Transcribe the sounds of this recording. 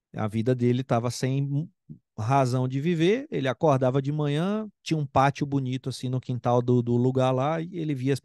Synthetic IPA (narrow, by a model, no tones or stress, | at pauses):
ɐ̰vid̪ɐd̪elɪt̪avɐsẽj̃ | ɦazɐ̃w̃d͡ʒɪviveɾelɪakoɾd̪avɐd͡ʒɪmɐ̃ɲ̃ɐ̃t͡ʃĩɲɐũpat͡ʃʊbunit̪ʊasĩnʊkĩnt̪awd̪ʊd̪ʊluɡaɾlaɪelɪviɐs